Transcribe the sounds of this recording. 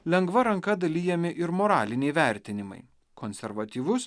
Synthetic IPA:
lʲɛŋɡʋɐɾɐŋkɐd̪ɐlʲiːjɛmʲɪʔɪɾmoːɾɑːlʲɪnʲɛɪʋʲæˑɾʲt̪ʲɪnʲɪmɐ̰ɪ | konʲsʲɛɾʋɐt̪ʲiːʋʊs

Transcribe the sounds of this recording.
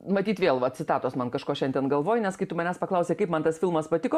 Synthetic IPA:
mɐt̪ʲiːt̪ʋʲeːlˠʋɐtsʲɪt̪ɑːt̪oːsmɐnkɐʃkoːʃʲɛnd̪ʲeɛnɡɐlˠʋoːjɪnʲɛskɐɪt̪ʊmɐnʲæspɐklˠɐʊsʲeːkɐɪpmɐnt̪ɐsfʲɪlˠmɐspɐt̪ʲɪkoː

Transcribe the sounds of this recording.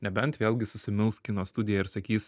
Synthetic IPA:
nʲɛbʲɛnt̪ʋʲeːlˠʲɡʲɪsʊsʲɪmʲɪlˠskʲinoːst̪ʊd̪ʲɪjɛɪɾsɐkʲiːs

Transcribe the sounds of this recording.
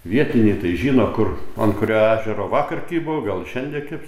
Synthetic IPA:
ʋʲiɛt̪ʲɪnʲiːt̪ɐɪʒʲiːnoːkʊronkʊɾʲoːæːʒʲɛɾoːʋɑːkɐrʲkʲiːbʊʋɡɐlˠʃʲɛnʲd̪ʲiɛkʲɪp

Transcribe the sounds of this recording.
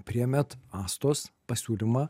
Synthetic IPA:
pʲɾʲɪjɛmʲɛt̪ɑːst̪oːspɐsʲuːlʲimɑː

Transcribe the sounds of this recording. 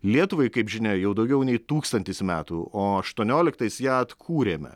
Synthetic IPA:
lʲiɛt̪ʊʋɐɪkɐɪpʒʲɪnʲɛjɛʊd̪ɒʊɡʲɛʊnʲɛɪt̪uːkst̪ɐnʲt̪ʲɪsmʲæːt̪uːʔoːɐʃt̪uɔnʲoːlʲɪkt̪ɐɪsjæːɐt̪kʰuːɾʲeːmʲɛ̰

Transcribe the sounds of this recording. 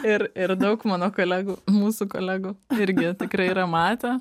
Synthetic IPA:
ɪrɪɾd̪ɐʊkmɑːnoːkoːlʲæːɡuːmuːsuːkoːlʲæːɡuːɪɾʲɡʲɪt̪ʲɪkɾɐɪiɾɐmɑːt̪ʲe

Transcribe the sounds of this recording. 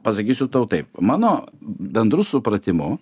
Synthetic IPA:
pɐsɐkʲiːsʲʊt̪ɐʊt̪ɐɪpmɑːnoːbʲɛnd̪ɾʊsʊpɾɐt̪ʲɪmʊ

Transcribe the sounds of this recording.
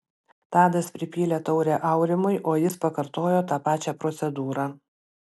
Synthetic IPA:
t̪ɑːd̪ɐspʲɾʲɪpʲiːlʲeːt̪ɒʊɾʲeːʔɐˑʊɾʲɪmʊɪʔoːjɪspɐkɐɾt̪oːjoːt̪ɑːpɑːt͡ʃʲɛpɾɔt̪sʲɛd̪uːɾɑː

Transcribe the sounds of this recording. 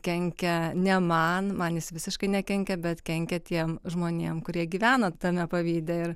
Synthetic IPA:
kʲɛŋʲkʲɛnʲɛmɐnmɐnjɪsʋʲɪsʲɪʃkɐɪnʲɛkʲɛŋʲkʲɛbʲɛt̪kʲɛŋʲkʲɛt̪ʲiɛmʒmoːnʲeːmkʊɾʲiɛɡʲiːʋʲæːnoːt̪ɐmʲɛpɐʋʲiːd̪ʲɛɪɾ

